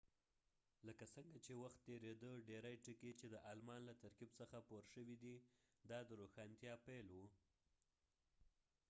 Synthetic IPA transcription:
ləkasəŋɡat͡ʃewaxt̪ːeɾed̪əɖeɾajʈiket͡ʃed̪əʔɑlmɑnlat̪aɾkibsəxapoɾʃəwid̪id̪ɑd̪əɾoxɑnt̪jɑpelwu

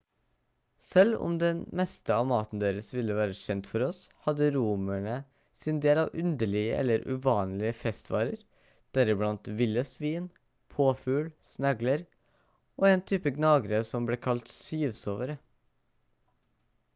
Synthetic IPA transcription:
sɛlʊ̰md̪ɛnmɛst̪əɑːmɑːt̪n̩d̪eːɾəsʋɪlːəʋæːɾəʃɛnt̪fɔɾɔshɑd̪əɾuːmæɳə | sɪnd̪eːlɑːʋʉnd̪əɭɪɡə̰ʔɛ̰lːəɾʔʉ̰ʋɑːnlɪəfɛst̪ʋɑ̰ːɾəɾ | d̪̥æɾəblɑnt̪ʋɪlːəsʋiːn | pʰoːfʉːlsnɑɡləɾ | ʔoːɛnt̪ʰyːpəɡnɑːɡɾəsɔmbleːkʰɑlt̪syːʋsoːʋəɾə

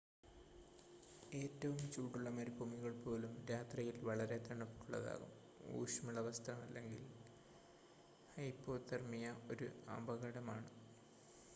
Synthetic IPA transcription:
e̞ːtːɐʋumt͡ɕuːʈːuɭːɐmɐɾkomiɣɐɭpo̞ːlumɾaːt̪rɐjilʋɐɭɐɾe̞t̪ːɐɳupːi̥kːuɭːɐ̰ða̰ːɣṵm | ṵːʂɐmuɭːɐʋɐst̪ʰɐrɐmɐlːe̞ŋɡil | hɐjpːo̞ːt̪ːɐrmijɐo̞ɾuɐbɐɣɐɽɐmaːɳɨ

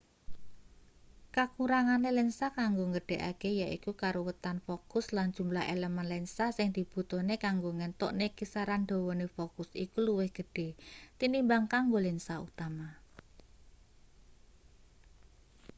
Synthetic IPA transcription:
kakuɾaŋanelɛnsakaŋɡoŋəɖ̥e̤ʔa̰kejaʔikukaɾowət̪anfokʊsland̥ʒ̥ṳmlaɦʔḛləmənlɛnsasɪŋd̪̥i̤b̥ut̪ɔnekaŋɡoŋɛnt̪ɔ̰ʔnekisaɾand̪̥o̤wɔnefokʊsḭkuluwɪhɡ̥ə̤ɖ̥e̤t̪inimbaŋkaŋɡolɛnsaṵt̪ama

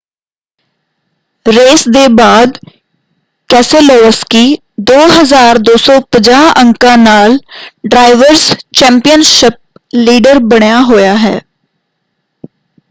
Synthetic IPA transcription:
ɾeːsd̪eːbaːd̪ | kɛːselɔːskiː | d̪oːɦəzaːɾd̪oːsɔːpəd͡ʒaːə̃ŋkãːnaːlɖɾaːɪʋəɾst͡ʃɛ̃ːmpijənʃɪp̚ | liːɖəɾbəɽjaːɦojaːɦɛ̰ː

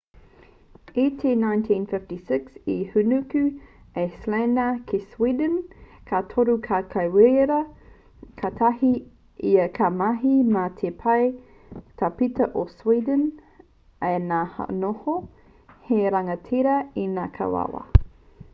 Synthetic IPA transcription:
itʰenãjntʰĩnfɪftisɪksihʉnʉkʉ | eslenəkʰeswiːdənkʰatʰoɾukʰakʰɐjweɾɾɐ | kʰɐtʰɐɦi | iɐkʰɐmɐɦimatʰepʰɐj | tʰapitɐʔoswidən | ejnaːha̰noho | heɾɐŋɐtʰiɾɐinaːkʰɐ̰wa̰wɐ̰

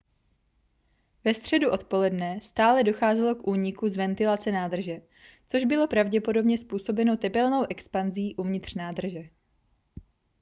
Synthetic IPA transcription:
vɛst̪r̝̥ɛduʔo̞t̪po̞lɛdnɛst̪aːlɛdo̞xaːzɛlo̞kʔuːɲɪkuzvɛnt̪ɪlat͡sɛnaːd̪r̩ʒɛ | t͡so̞ʒbɪlo̞pɾavɟɛpo̞do̞bɲɛspuːso̞bɛno̞t̪ɛpɛlno̞wʔɛkspanziːʔuvɲɪt̪r̥naːd̪r̩ʒɛ

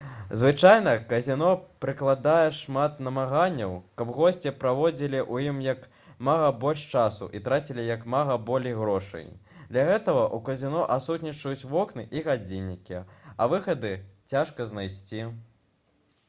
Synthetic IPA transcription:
zvɨt͡ʂajnɐkɐzʲinɔpɾɨklˠad̪ajɛʂmat̪nɐmaɣanʲːɐwkɐbɣɔsʲt͡sʲipɾavɔd͡zʲilʲiʔujimjɐk | maɣɐbɔlʲʂt͡ʂasṵʔit̪ɾat͡sʲilʲijɐkmaɣɐbɔlʲejɣɾɔʂɐ̰jd̪lʲɐɣɛt̪ɐɣɐʔukɐzʲinɔʔasut̪ʲnʲit͡ʂɐjut͡sʲvɔknɨʔiɣad͡zʲinʲːikʲiɐvɨxɐd̪ɨt͡sʲaʂkɐznajsʲt͡sʲi

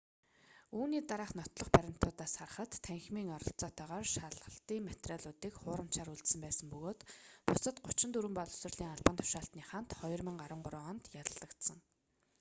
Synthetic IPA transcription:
uːniːt̪aɾaːχnɔt̪ɮɞ̆χpæɾʲɪ̆m̥t̪ʰʊːt̪aːsχar̆χə̆t̪ːʰæŋxmiːŋɔɾɞ̆ɬt͡sɔːt̪ʰœːʁɔːrʃaɮʁə̆ɬt̪iːŋmet̪raɮʊːt̪iːkχʊːɾə̆m̥t͡ɕaːɾuɮt̪sɘ̆mpæːsə̆mpɵɣoːt̪pʊsə̆t̪ɢʊt͡ɕɪ̆nt̪uɾɘ̆mpɔɮɵ̥sɘ̆rɮiːŋaɮpănt̪ʰʊ̥ʃaːɬt̪niːχan̥t̪χɔjɞ̆rmə̆ŋɢaɾwə̆ɴɢʊɾʊːɔnt̪jat̪ə̆ɮə̆kt̪sə̆ŋ

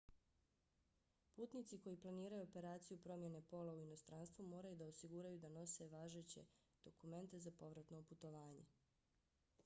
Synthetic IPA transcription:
puːt̪nit̪siko̞jiplˠaniːɾajuope̞ɾaːt̪sijupɾo̞mje̞ne̞po̞lauino̞st̪ɾaːnst̪ʋumo̞ːɾajud̪aosiɡuɾajud̪ano̞se̞ʋaːʒet͡ɕe̞̰ | d̪̥o̞kume̞nt̪e̞zapo̞ʋɾat̪no̞put̪o̞ʋaːɲe

